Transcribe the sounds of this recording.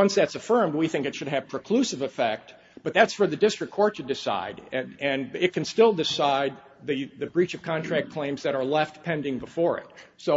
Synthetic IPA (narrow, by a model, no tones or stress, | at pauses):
ʌ̃nsðætsɨfɜ̃˞md̚wiθɪ̃ŋkɨtʃɨd̚ɨv̥pʰɹ̥ɨkʰl̥ʉsɨvɨfɛk̚t̚ | b̥ʌt̪̚ðætsfə˞ðɨdɪstɹ̥ɨkʰːɔɹtʰɨdɨsa̰ɪɾɨɨ̃nɪt̚kʰɨ̃n̩stɪlˠdɨsaɪd̪̚ | ðɨðɨbɹit͡ʃʌv̥kʰɑ̃ntʰɹ̥æk̚kʰl̥ẽɪ̃mzðɨɾə˞lɛft̚pʰɛ̃ndɪ̃ŋbəfɔɹɪ̰t̚soʊ